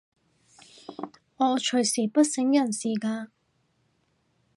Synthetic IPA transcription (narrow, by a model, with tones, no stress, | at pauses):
ŋɔː˨˧t͡ʃʰɵ˨˩ɥsiː˨˩pɐ˥t̚sɪ˨˥ŋjɐ˨˩nsiː˨˩kaː˧